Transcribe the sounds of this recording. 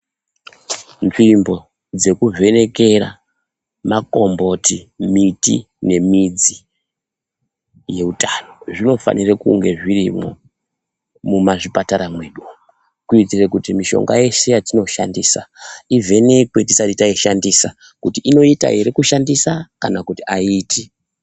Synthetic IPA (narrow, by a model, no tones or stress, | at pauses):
nʐimbo̞ | d͡ze̞kuve̞ne̞kera̰ | mako̞mbo̞timitḭ | ne̞mid͡zi | je̞utano̞ʐino̞fa̰nirekṵŋɡe̞ʐirḭmo̰ | mumaʐipataɾamwe̞ːɗu | kuitirekutimiʃo̞̰ŋɡa̰je̞se̞jatino̞ʃa̰ndiːsaive̞ne̞kwe̞tisatitaiʃandisa | kutiʔino̞ita̰ɦeɾekuʃandisakanakutiaiːti